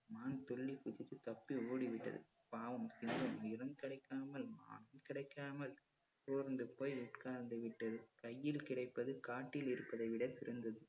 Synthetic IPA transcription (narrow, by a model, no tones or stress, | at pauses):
maːnt̪ɔɭːikʊt͡ʃɪt̪ːɯt̪ɐpːioːɽiʋɪʈːɐ̰ðɯ̰ | paːʋɯmsɪŋɡɐmʊjɪɾɐmkɪɽɐɪkːaːmɐlma̰ːnɐmkɪɽɐɪkːaːmɐl | t̪oːɾnd̪ɯpoːjʊʈkaːɾnd̪ɯʋɪʈːɐðɯkɐjːɪlkɪɽɐɪpːɐðɯkaːʈːɪlɪɾɯpːɐðɐɪʋɪɽɐt̪ɪɾɯnd̪ɐðɯ